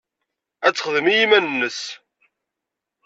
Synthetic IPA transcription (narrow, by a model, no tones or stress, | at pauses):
æt͡sːəχðəmijimænənːəs